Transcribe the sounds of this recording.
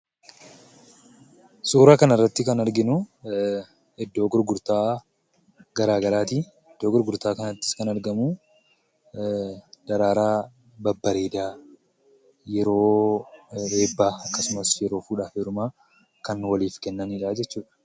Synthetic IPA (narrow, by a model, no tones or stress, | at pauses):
suːɾaːkɐnɐrːɐt̪ːɪkɐnɐɾɡɪnʊ | ɛd̪ːo̞ːɡʊɾɡʊɾt̪aː | ɡ̥ɐɾaːɡɐɾaːt̪i | ɛd̪ːoːɡʊɾɡʊɾt̪aːkɐnɐt̪ːɪskɐnɐɾɡɐmu | d̪̥ɐɾaːɾaː | bɐbːɐɾeːd̪aː | jɛɾo̞ː | be̞ːbːaːɐkːɐsʊmɐsjɛɾo̞ːfuːᶑaːfeːɾʊmaː | kɐnwɐliːfkɛnːɐniᶑaːd͡ʒɛt͡ʃːuːᶑɐ̥